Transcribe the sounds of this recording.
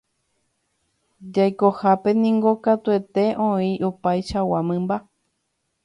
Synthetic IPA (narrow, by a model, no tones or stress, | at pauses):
d͡ʒajko̞hape̞nĩŋɡo̞kat̪ue̞t̪e̞ʔõĩʔopajʃawamɨ̃mba